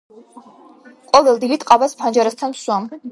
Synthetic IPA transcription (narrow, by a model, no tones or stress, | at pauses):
qʼɔvɛlˠd̪ilit̪ʼqʼabaspʰand͡ʒaɾast̪ʰanmswam